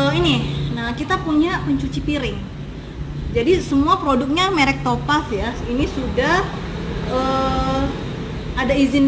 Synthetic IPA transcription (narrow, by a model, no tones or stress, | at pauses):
əininahkit̪apuɲapəɲt͡ʃut͡ʃipiɾɪŋ | d͡ʒadisəmuapɾodʊk̚ɲameɾɛk̚t̪opasjainisudah | ə | adaizɪn